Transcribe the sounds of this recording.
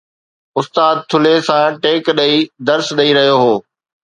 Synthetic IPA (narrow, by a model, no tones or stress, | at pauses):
ʊst̪aːd̪̚t̪ʰʊlesãʈeːkɗɐid̪ɐɾsɗɐiɾɐɦijoɦoː